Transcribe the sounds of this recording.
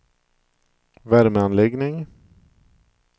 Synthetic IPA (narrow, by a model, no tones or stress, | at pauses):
væɾməanlɛɡnɪŋ